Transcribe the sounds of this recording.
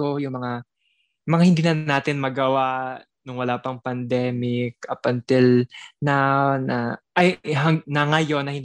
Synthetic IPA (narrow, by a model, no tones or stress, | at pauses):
ojʊŋmɐŋa | mɐŋahɪnd̪iːnɐnaːt̪ɪnmɐɡɐwa | nʊŋwɐlaːpɐŋpɐnd̪ɛːmɪk̚ɐpɐnt̪ɪlnanɐʔɐjɦɐŋnɐŋɐjo̞nːɐhɪnd̪